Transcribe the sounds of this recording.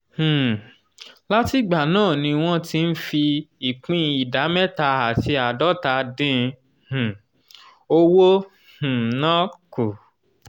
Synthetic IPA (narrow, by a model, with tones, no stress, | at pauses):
h̩˨ | la˦ti˦ɡ͡ba˨nãː˦˨nĩ˧w̃ɔ̃˦ti˦n̩˦fi˧i˨k͡pĩ˦˧˦i˨da˨˦mɛ˦ta˧a˨ti˧˦a˨dɔ˦ta˧˦dĩ˦˧ | h̩˨ | o˧wo˦ | h̩˨nã˦ku˨